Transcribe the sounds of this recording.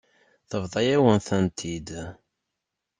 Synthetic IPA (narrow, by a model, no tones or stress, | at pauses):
θəvðˤɑjæwənθənt̪ʰid̪